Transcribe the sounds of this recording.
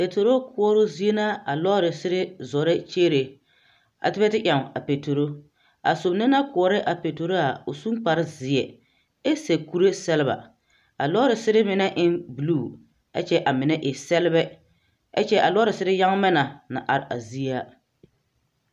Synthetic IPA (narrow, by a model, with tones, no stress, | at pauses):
pe˨to˨ɾo˦kʰʊ˦ɔ˦ɾo˦zi˦e˦na˦a˨lɔː˦ɾɪ˨sɪ˦ɾɪ˦zɔ˨ɾɪ˦t͡ʃeː˦ɾe˨ | a̰˨tɪ˦bɛ˦tɪ˦ʔʲja˨m˨a̰˨pe˨to˨ɾo˦ | a̰˨so˨bnɪ˦na˦kʊ˨ɔ˨ɾɪ˦ʔa˨pe˨to˨ɾo˦a˨ʊ˨su˦ŋk͡pa˨ɾɪ˦zɪ˨ɛ˨ | ɛ˦se˨ku˦ɾe˦sɛ˦lɪ˦ba̰˨ | a̰˨lɔ˦ɾɪ˨sɪ˦ɾɪ˦mɪ˨nɛ˦ʔɪ˦nbu˨luː˦˨ | a̰˦t͡ʃɛ˦ʔa˨mɪ˨nɛ˦ʔɪ˨sɛ˦lɪ˦bɛ˦ | a̰˦t͡ʃɛ˦ʔa˨lɔ˦ɾɪ˨sɪ˦ɾɪ˦ja˦ŋ˦mɛ˦na˨na̰˨ʔa˨ɾɪ˨ʔa̰˨zi˦a˦